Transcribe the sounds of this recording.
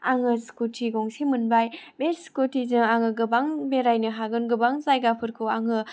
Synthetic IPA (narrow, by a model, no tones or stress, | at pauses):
aŋɯskutʰiɡoŋsimɯnbajbeskotʰizɯŋaŋɯɡɯbaŋbeɾajnɯɦaɡɯnɡɯbaŋzajɡapʰɯɾkʰɯaŋɯ